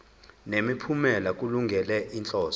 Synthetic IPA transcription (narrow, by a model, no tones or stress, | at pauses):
nemipʰumɛlak̬ʼuluŋɡʱɛlɛʔint͡ɬʼɔːs